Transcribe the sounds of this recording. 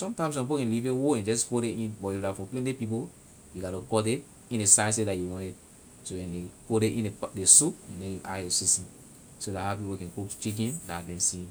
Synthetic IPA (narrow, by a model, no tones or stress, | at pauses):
sɔ̃mtãɪ̃ms̬ɔ̃mp̬okɛ̃livewoɛ̃nd͡ʒɔsfoɾeĩnbɔifdafɔ̃plẽndepip̬o | juɡatokɔde | ĩndesaɪsedajuwɔ̃ɛd̚ | sowɛ̃ndefodeʔĩnedesupɛ̃ndɛ̃juʔa̰osisĩ | sodahapipokɛ̃nkokt͡ʃik̬ɛ̃ndadɛ̃nsĩ